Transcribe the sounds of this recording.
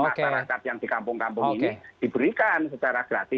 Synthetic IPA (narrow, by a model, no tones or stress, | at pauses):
maʃaɾakat̪̚jaŋd̪̥i̤kampʊŋkampʊŋinid̪̥i̤b̥əɾikansət͡ʃaɾaɡ̥ɾat̪ɪ